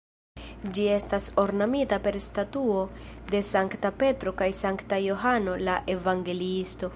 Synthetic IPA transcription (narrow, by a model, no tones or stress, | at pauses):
d͡ʒie̞staso̞ɾnamitape̞ɾstatuo̞de̞saŋktape̞tɾo̞kajsaŋktajo̞ɦano̞laʔe̞vaŋɡe̞liisto̞